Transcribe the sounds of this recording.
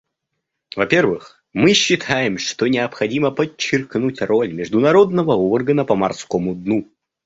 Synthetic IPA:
vɐpʲe̞rvɨx | mɨɕːɪt̪ʰajɪmʂt̪onʲɪɐpxɐdʲiməpət͡ɕːɪrknutʲro̞lʲmʲɪʐd̪ʊnɐɾo̞d̪nəvəorɡənəpəmɐrskomʊd̪nu

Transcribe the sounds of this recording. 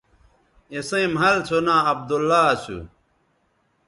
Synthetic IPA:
esẽmɦɐlt͡ɕʰonãɐb̚d̪olːat͡ɕʰṵ

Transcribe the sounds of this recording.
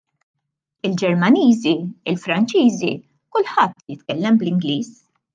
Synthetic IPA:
ɪld͡ʒɛɾmɐniːziɪlfɾɐnt͡ʃiːzḭ | kʊlħɐt̪ːjɪt̪kɛlːɛmblɪŋɡliːs

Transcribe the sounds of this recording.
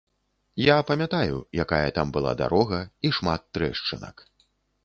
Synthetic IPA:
japɐmʲat̪ajujakajɐt̪ambɨlˠa̰d̪a̰ɾɔɣɐiʂmat̪ːɾɛʂt͡ʂɨnɐ̰k

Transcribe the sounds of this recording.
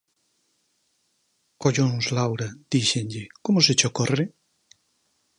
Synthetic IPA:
koʎoŋslawɾad̪̥iʃeŋʎɪkomʊsɪt͡ʃokɔrɪ

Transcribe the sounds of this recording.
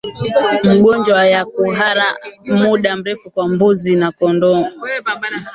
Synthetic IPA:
m̩ɠɔnd͡ʒwajakuɦaɾamuɗam̩ɾɛfukwambuzinakɔndɔŋɔ

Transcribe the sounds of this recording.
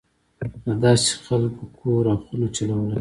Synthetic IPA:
d̪əd̪ɑse̥xalkokʰoɾaxulot͡ʃalawəla

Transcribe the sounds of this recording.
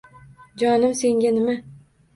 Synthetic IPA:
d͡ʒɒnɪmse̞ŋɡʲanɪma

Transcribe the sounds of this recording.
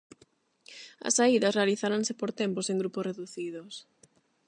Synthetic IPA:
ɐ̰saiðɐsrealiθaɾansepoɾt̪emposẽŋɡɾuposreðuθiðos

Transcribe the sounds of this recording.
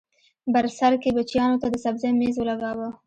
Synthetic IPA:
baɾsaɾkebat͡ʃjɑnot̪ad̪əsabzamezwəlaɡɑwa

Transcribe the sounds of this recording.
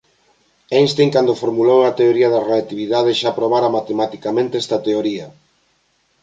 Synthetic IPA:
enst̪eŋkand̪ofoɾmulowɐt̪eoɾiɐðɐreat̪iβiðaðeʃapɾoβ̞aɾɐmat̪emat̪ikamẽnt̪eɛst̪ɐt̪eoɾiɐ

